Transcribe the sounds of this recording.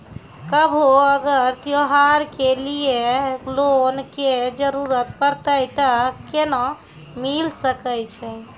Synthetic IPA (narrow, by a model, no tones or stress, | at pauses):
kəbʱoəɡəɾt̪joɦaɾkelijelonked͡ʒəɾuɾət̪̚pəɾt̪əjt̪əkenɔ̃ | milsəkəjt͡ʃʰɛ